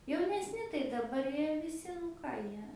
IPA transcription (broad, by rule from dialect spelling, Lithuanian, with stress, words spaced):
jɛʊnʲɛsʲˈnʲɪ tɐɪ dɐˈbɐr ˈjiɛ ʋʲɪˈsʲɪ ˈkɑː ˈjiɛ